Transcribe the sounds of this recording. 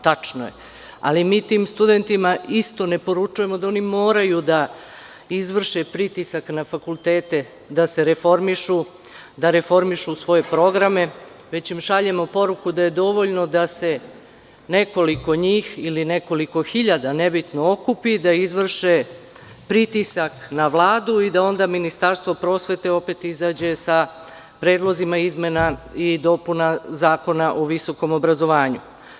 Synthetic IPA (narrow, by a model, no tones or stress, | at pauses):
t̪at͡ʂno̰jḛ | a̰limiːt̪iːmst̪ud̪e̞nt̪imaist̪o̞ne̞po̞ɾut͡ʂuje̞mod̪ao̞nimo̞ːɾajud̪a | izʋr̩ʃepɾit̪isaknafakulˠt̪e̞ːt̪e̞ | d̪ase̞ɾe̞fo̞ɾmiʃu | d̪aɾe̞fo̞ɾmiʃusʋo̞je̞pɾo̞ɡɾame̞ | ʋe̞t͡ɕimʃaʎe̞mo̞po̞ɾukud̪aje̞d̪o̞ʋoʎno̞d̪ase̞ | ne̞ko̞liko̞ɲiːxiline̞ko̞liko̞xiʎad̪ane̞bit̪no̞o̞kupid̪aizʋr̩ʃe | pɾit̪isaknaʋlˠaːd̪uid̪ao̞nd̪aminist̪aɾst̪ʋo̞pɾo̞sʋe̞t̪e̞o̞pe̞t̪izaːd͡ʑe̞sa | pɾe̞ːd̪lˠo̞zimaizme̞naid̪o̞punazaːko̞naʔoʋiso̞ko̞mo̞bɾazo̞ʋaːɲu